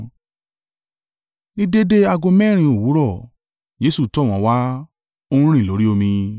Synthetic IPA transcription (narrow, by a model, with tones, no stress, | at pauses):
nĩ˦de˦de˦a˧ɡõ˧mɛ̃˦˨ɾ̃ĩ˧o˦˨wu˨˦ɾɔ˦˨ | d͡ʒe˨˦su˦˨tɔ˦˨w̃ɔ̃˨˧wa˦ | o˧ñũ˦ɾ̃ĩ˦˨lo˨˦ɾi˦o˧mĩ˧